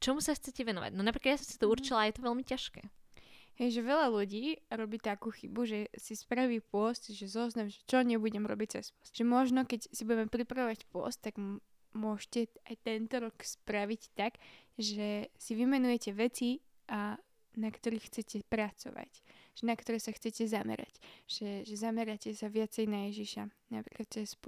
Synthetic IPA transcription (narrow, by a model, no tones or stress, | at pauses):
t͡ʃɔmusaxt͡sɛcɛʋɛnɔʋa̰ɟnɔnapɾikad̪jasɔ̃msi̥t̪ɔuɾt͡ʃilajɛt̪ɔʋɛlmicaʃkɛ̰ːhɛjʒɛʋɛʎaluɟiːɾɔbiːt̪akuːxḭbuʒɛsispɾaʋiːpʊɔst̪ʒɛzɔznamʒɛt͡ʃɔɲɛbuɟɛmɾɔ̰bic̚t͡sɛ̰spʊɔst̪ʒ̥ɛmɔʒnɔkɛcsibuɟɛmɛpɾipɾaʋɔʋacpʊɔ̰st̪ːaɡ | mʊɔʃcɛajt̪ɛnt̪ɔɾɔkspɾaʋict̪aɡʒɛsiʋimɛnujɛcɛʋɛt͡si | ʔa | nakt̪ɔɾiːxːt͡sɛcɛpɾat͡sɔ̰ʋa̰cʒ̥ɛnakt̪ɔɾɛːsaxt͡sɛcɛzamɛ̰ɾa̰cʒ̥ɛʒɛzamɛɾacɛsaʋɪat͡sɛjnajɛʒiʃanapɾikatɛsp